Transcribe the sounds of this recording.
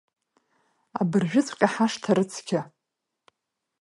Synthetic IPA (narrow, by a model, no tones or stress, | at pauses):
a̰bɨrʒᶣɪt͡sʰʼqʲʼaħaʂtʰaɾɨt͡sʰkʲa